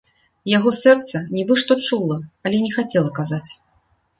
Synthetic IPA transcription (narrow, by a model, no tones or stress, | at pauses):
jaɣɔsɛrt̪sɐnʲɛbɨʂt̪ɔt͡ʂulˠɐɐlʲɛnʲɛxat͡sʲɛlˠɐkazat͡sʲ